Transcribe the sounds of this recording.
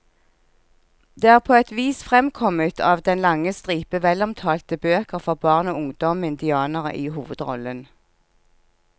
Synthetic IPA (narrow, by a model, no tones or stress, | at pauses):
d̪̥eːæːʁpʰoːɛt̪ʋiːsfʁɛmkʰɔmət̪ʰɑːʋd̪ɛnlɑŋəst̪ʁiːpəʋɛlɔmt̪ʰɑːlt̪əbøːkəʁfɔʁbɑːʁnoːʊŋd̪ɔmɪnd̪ɪɑːnəʁə̰ʔiːhuːʋəd̪ʁɔ̰lən